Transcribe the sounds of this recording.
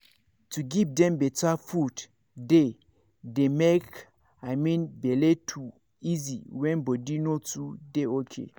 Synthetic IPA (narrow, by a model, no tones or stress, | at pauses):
tuɡivdɛ̃mbɛtafud | de | demek | amĩnbɛletʰu | iziwɛ̃nbɔdinotudeokʰḛ